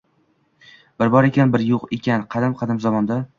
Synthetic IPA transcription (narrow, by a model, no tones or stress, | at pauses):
b̥ɪɾbɒɾe̞kʲanbɪɾjoqekʲʰanqʰɑd̪ɪmqʰɑd̪ɪmzɒmɒnd̪a